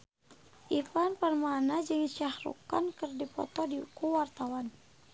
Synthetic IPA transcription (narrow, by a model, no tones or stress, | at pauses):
ʔipanpərmanad͡ʒɨŋʃahɾṵka̰nkɨrdipɔ̰t̪ɔdikuwart̪awan